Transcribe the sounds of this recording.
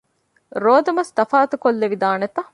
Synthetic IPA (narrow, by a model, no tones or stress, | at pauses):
ɾoːd̪ɐmɐst̪ɐfaːt̪ukolːeʋid̪aːnet̪ɐ